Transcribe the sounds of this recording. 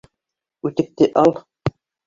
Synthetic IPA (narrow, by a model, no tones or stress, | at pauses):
ʉt̪ɘ̆k̚t̪ɘʔɑlˠ